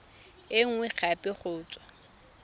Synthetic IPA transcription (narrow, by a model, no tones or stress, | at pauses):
ɪŋ̩wɛχʰapʼɪχʰʊːt͡sʼwa